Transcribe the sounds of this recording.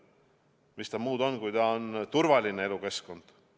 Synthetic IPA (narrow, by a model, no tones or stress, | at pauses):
mist̪ɑmuːd̪̥o̞nkujt̪ɑont̪uɾvɑlʲine̞e̞luke̞sko̞nd̪̥